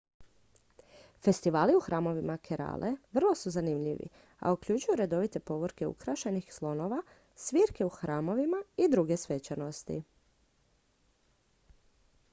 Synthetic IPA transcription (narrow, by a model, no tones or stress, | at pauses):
fe̞st̪iʋaːliuxɾaːmo̞ʋimakʰeɾa̰ːlʔeʋr̩lˠo̞suzanimʎḭʋḭ | a̰ukʎut͡ʃujuɾe̞d̪o̞ʋit̪e̞po̞ʋoɾke̞ṵkɾaʃenixslˠo̞no̞ʋa | sʋiːɾke̞uxɾʔaːmo̞ʋimaid̪ɾuɡe̞sʋe̞t͡ɕano̞st̪ḭ